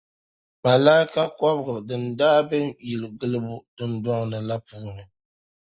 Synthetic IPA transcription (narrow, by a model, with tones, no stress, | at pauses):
ma˨laː˦i˦ka˦kɔ˦bɨ˦˨ɡɨ˨dɨ˨ndaː˦bɛ˦mji˨lɨ˨ɡɨ˦lɨ˦bʊ˦d̥ɨ˦ndwɔ˦ŋ˨nɨ˨la˦puː˦nɨ˨